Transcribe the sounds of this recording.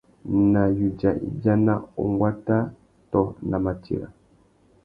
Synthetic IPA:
na˨ju˨d͡ʒa˨i˨bja˦na˦o̰˨ŋɡwa˦ta˦ | tɔ˦na˨ma˨tḭ˨ɾa̰˨

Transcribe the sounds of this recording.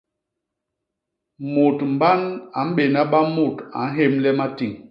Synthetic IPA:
mu˨tm̩˨ba˦na˨˦m̩˦ɓe˨na˦ɓa˦mu˦˨ta̰˨˦n̩˦ɦe˦˨mlɛ˦ma˦ti˨ŋ

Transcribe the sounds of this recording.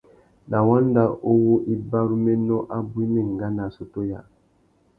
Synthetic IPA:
na˨wa˦nda˦ʔo˦wo˦ʔi˦ba˦ɾu˦mɛ˦nɔ˦ʔa˦bu˦i˦mɛ˨ŋ˨ɡa˦na˨so˨to˦ja˨

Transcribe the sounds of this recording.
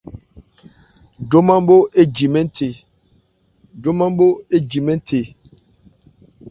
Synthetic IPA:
do˦mã˦m˦bo˦ʔe˦d͡ʒi˨mɛ˦n˦tʰe˨ | do˦ma˦m˦bo˦e˦d͡ʒi˨mɛ̃˦n˦tʰe˨

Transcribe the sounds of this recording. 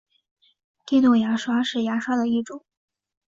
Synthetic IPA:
t̪i˥˧t̪o˥˩ŋja˧˥ʂwa˥ʂɻ̩˥˩ja˧˥ʂwa˥d̪ə˨i˥˩ʈ͡ʂʊ˨˩˦ŋ

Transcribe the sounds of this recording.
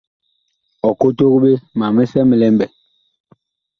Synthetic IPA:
ɔ˨ko˦to˦ɣɓe˦ma˨mi˦sɛ˦mi˨lɛ˦mbɛ˨

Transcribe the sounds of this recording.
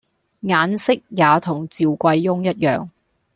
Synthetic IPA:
ŋaː˨˥nsɪ˥k̚jaː˨˧t̪ʰʊ˨˩ŋt͡siː˨wkʷɐ˧jːʊ˥ŋjɐ˥t̚jœ̰ː˨ŋ

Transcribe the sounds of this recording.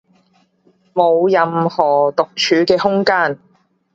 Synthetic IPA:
mo˨˧wjɐ˨˧mhɔː˨˩t̪ʊ˨k̚t͡ʃʰyː˨˧kɛː˧hʊ˥ŋkaː˥n

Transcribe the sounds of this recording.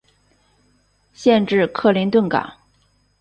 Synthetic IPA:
ɕjɛ˥˧nʈ͡ʂɻ̩˥˧kʰɤ˥˩li˧˥nt̪ə˥˩nka̰˨˩˦ŋ

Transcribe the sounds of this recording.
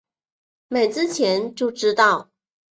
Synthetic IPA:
me˨˩ɪt͡sɹ̩˥t͡ɕʰjɛ˧˥nt͡ɕjo˥˧ʊʈ͡ʂɻ̩˥t̪ɑ˥˩ʊ

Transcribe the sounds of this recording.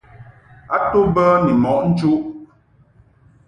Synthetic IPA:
a˦tu˦bə˦ni˨mɔ˨ʔn̩˦t͡ʃu˦ʔ

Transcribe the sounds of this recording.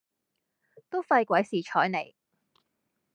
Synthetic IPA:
t̪o˥wfɐ˧jkʷwɐ˨˥jsiː˨t͡ʃʰɔː˨˥jne˨˩j

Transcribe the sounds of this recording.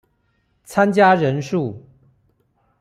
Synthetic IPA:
t͡sʰa˦nt͡ɕja˦ɻə˨˦nʂu˥˩˨

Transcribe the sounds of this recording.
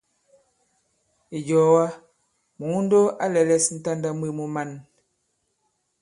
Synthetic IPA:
i˨d͡ʒɔ˨wa˦ | mu˨˦n̩˦do˦a˦lɛ˨lɛ˦sn̩˦ta˦nda˦mwe˦mu˨ma˦˨n

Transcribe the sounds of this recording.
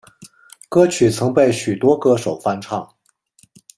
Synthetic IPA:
kɤ˥t͡ɕʰy˨˩t͡sʰɤ˧˥ŋpe˥˩ɪɕy˨˩t̪wɔ˥kɤ˥ʂo˨˩ʊfa˥˧nʈ͡ʂʰɑ̰˥˩ŋ

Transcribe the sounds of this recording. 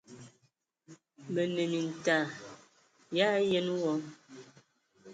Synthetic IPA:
mə˨ne˨mi˨n̩˨ta˨ | ja˦je˦n˦wɔ˦

